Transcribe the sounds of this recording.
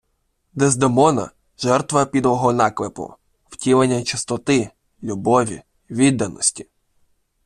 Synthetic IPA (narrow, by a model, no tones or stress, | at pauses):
d̪ɛzd̪emɔnɐ̰ | ʒɛrt̪ʋɐpʲid̪ʋɔɦɔnɑklˠepʊ̰ | w̥tʲilˠenʲːɐt͡ʃɪst̪ɔt̪ɪ | lʲubɔʋʲḭ | ʋʲid̪ːɐnɔ̰sʲtʲi̥